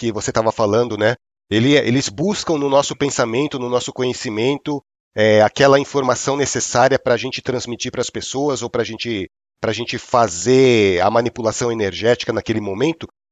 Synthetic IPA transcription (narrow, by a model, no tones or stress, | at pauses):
kɪvoset̪avɐfalɐ̃nd̪ʊnɛ | elɪḛlɪzbuskɐ̃w̃nʊnɔsʊpẽsamẽnt̪ʊnʊnɔsʊ̥kõɲesimẽnt̪ʊ | ɛakɛlɐĩfoɾmasɐ̃w̃nesesaɾiɐpɾɐːʒẽnt͡ʃɪ̥t̪ɾɐ̃zmit͡ʃiɾpɾɐspesoɐzowpɾɐʒẽnt͡ʃɪ | pɾɐaʒẽnt͡ʃɪfazeɐ̰mɐ̃nipulasɐ̃w̃eneɾʒɛt͡ʃi̥kɐnakelɪmomẽnt̪ʊ